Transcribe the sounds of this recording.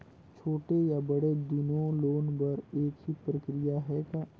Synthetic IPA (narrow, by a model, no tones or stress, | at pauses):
t͡ʃʰoːʈejabɐɽed̪ʊnõloːnbɐɾeːkɦipɾəkɾɪjaɦɛka